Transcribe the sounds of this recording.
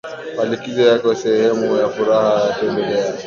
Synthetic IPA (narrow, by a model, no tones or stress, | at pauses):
malikizɔjakɛwasɛhɛmujafuɾahajatɛmbɛlɛa